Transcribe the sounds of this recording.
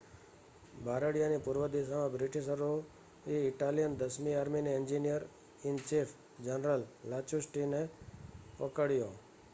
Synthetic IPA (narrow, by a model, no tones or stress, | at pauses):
bʱaɾəɽijanipʊɾʋəd̪iʃamãbɾɪʈiʃəɾo | eɪʈaljənd̪əsmiaɾminiɪnd͡ʒinijəɾ | ɪnt͡ʃifʰ | d͡ʒənɾəllat͡ʃusʈine | pəkəɽjo